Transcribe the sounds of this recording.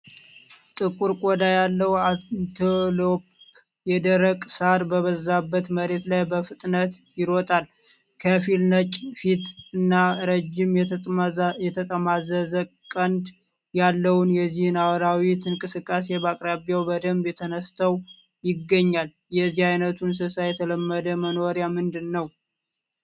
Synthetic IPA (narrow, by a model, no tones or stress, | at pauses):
t̪ʼɨkʼuɾkʼod̪ajalːəwat̪ʰolop | jɛd̪əɾəkʼsaɾbəβəzːabːət̪məɾe̞t̪lajbəfɨt̪ʼnət̪jɪɾot̪ʼal | kʰəfilnət͡ʃʼfit̪ɨnːaɾəd͡ʒɪm | jɛt̪ʰət̪ʼəmazəzə | kʼːənd̪ | jalːəwʊnjɛzːihɨnawɾawit̪ʰɨŋkʼɨsɨkʼːas̬e̞bakʼɾabjawbəd̪əmbjɛt̪ʰənəst̪ʰəw | jɪɡːəɲːal | jɛzːihajnət̪ʰunsɨsajɛt̪ʰələmːəd̪əmənoɾjamɨnd̪ɨnːəw